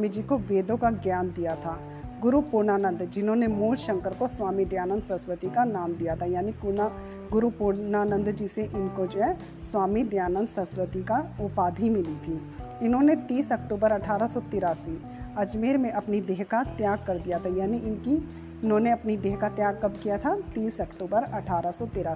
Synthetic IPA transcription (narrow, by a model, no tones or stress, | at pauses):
mid͡ʒikoʋeːd̪õkaɡjaːnd̪ijat̪ʰaː | ɡʊɾupʊɾnaːnə̃nd̪d͡ʒɪnɦõnemuːlʃə̃ŋkəɾkoswaːmid̪jaːnə̃nd̪sə̃swət̪ikanaːmd̪ijat̪ʰajaːnikuna | ɡʊɾupunaːnə̃nd̪d͡ʒiːseʔɪnkod͡ʒoːɦɛ | swaːmid̪jaːnə̃nd̪sə̃sʋət̪ikaʊpaːd̪ʱimɪlit̪ʰiː | ɪnɦõːnet̪iːsɐkʈuːbəɾɐʈʰaːɾasɔt̪ɪːɾaːsi | ɐd͡ʒmeːɾmẽʔɐpnid̪eːɦkat̪jaːɡ̚kɐɾd̪ijat̪ʰajaːniʔɪnki | ɪnɦõːneɐpnid̪eːɦkat̪jaːɡ̚kɐbkijat̪ʰat̪iːsɐkʈuːbəɾɐʈʰaːɾasɔt̪ɪːɾaːsi̥